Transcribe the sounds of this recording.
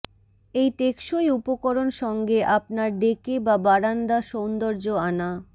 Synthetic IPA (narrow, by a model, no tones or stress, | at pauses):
ejʈekʃoeupokoɾonʃɔŋɡeʔapnaɾɖekebabaɾand̪aʃond̪oɾd͡ʑoana